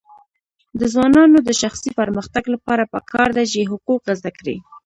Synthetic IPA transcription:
d̪əzwɑnɑnod̪əʃaxsipəɾməxt̪aɡlapɑɾapəkʰɑɾd̪at͡ʃeɦʊquqːazd̪akɽḭ

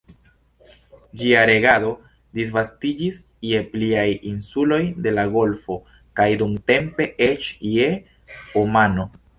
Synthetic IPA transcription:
d͡ʒiaɾe̞ɡado̞ | dis̬vastid͡ʒis | je̞pliajinsulo̞jde̞laɡo̞lfo̞ | kajdumte̞mpe̞ʔet͡ʃje̞ | omano̞

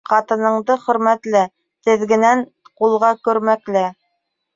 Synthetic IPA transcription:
qɑt̪ɤ̆nɤ̆ɴd̪ɤχɵ̆ɾmæt̪lɘ | t̪ɘ̆ðɡɘ̆næn | qulˠʁɑkɵ̆ɾmæklɘ

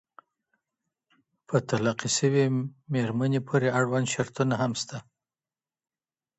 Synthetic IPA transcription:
pʰət̪alaqisəwemeɾmanepʰoɾeaɽwand̪ʃaɾt̪unaɦamst̪a

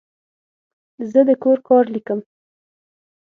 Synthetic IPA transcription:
zəd̪əkoɾkɑɾlikəm

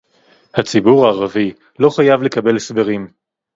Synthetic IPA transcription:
hat͡sibuʁaːʁavi | lo̞χajavle̞kabe̞lesbe̞ʁim

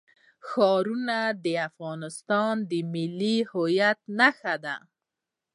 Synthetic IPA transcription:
xɑɾunad̪əafɣɑnɪst̪ɑnd̪əmɪlːihojat̪naxad̪a̰

